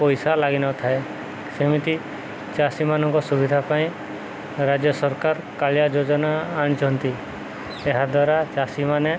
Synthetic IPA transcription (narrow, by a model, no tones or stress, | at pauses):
pɔjsalaɡinɔt̪ʰae | semit̪i | t͡ʃasimanɔŋkɔsubid̪ʱapaĩ | ɾad͡ʒjɔsɔɾkaɾkaɭjad͡ʒod͡ʒɔnaːɽ̃d͡ʒɔnt̪i | eɦad̪waɾat͡ʃasimane